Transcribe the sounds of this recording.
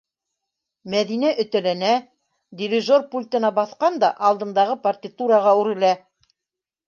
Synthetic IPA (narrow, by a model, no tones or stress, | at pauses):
mæðinæʔɵ̆t̪æ̆lænæ | d̪ʲɪɾʲiʒorpulʲt̪ɤ̆nɑbɑθqɑnd̪ɑʔɑlˠd̪ɤ̆nd̪ɑʁɤpɐrt̪ʲɪt̪uɾəʁɑʉɾɘ̆læ